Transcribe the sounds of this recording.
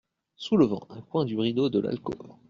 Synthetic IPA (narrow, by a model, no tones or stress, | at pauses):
suləvɑ̰̃ʔɛ̃kwɛ̃d̪yʁid̪od̪əla̰lkɔ̰